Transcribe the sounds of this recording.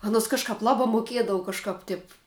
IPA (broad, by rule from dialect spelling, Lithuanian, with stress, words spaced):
ˈɑːnoːs kɐʃˈkɐp ˈlˠɑːbɑː moːˈkʲiɛdɐʋʊ kɐʃˈkɐp tʲɪp